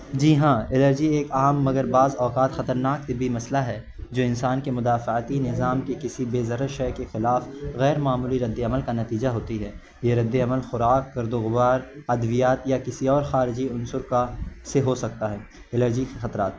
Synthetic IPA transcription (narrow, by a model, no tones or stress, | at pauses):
d͡ʒiːɦãːɪləɾd͡ʒieːkaːmːɐɡəɾbaːzɔːkaːt̪xɐt̪əɾnaːk̚t̪ɪbʱimɐslaɦɛ | d͡ʒoːɪ̃nsaːnkemʊd̪aːfət̪inɪzaːmkekɪsibeːzɐɾəɾʃɛkexɪlaːfɣɛːɾmaːmuːliɾɐd̪ːeɐməlkanɐt̪iːd͡ʒaɦoːt̪iɦɛː | jeɾɐd̪ːeɐməlxʊɾaːkːɐɾd̪oɣʊwaːɾɐd̪ʋijaːt̪jakɪsiɔːɾxaːɾɪd͡ʒiʊnsʊɾkaseɦosɐk̚t̪aɦɛː | ɪləɾd͡ʒikixɐt̪ɾaːt̪